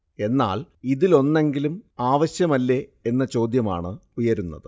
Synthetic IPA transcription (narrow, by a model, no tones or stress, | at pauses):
e̞nːa̰ːliðilo̞nːe̞ŋɡilumaːʋɐɕjɐmɐlːe̞enːɐt͡ɕo̞ːd̪jɐma̰ːɳɨujɐɾunːɐ̰ðɨ